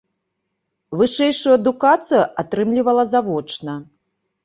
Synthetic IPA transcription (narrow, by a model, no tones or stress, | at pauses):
vɨʂɛjʂujuɐd̪ukat̪sɨjuʔat̪ɾɨmlʲivɐlˠɐzavɔt͡ʂnɐ